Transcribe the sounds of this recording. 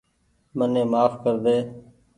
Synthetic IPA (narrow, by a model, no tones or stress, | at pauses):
mənẽːmaːfkəɾd̪eː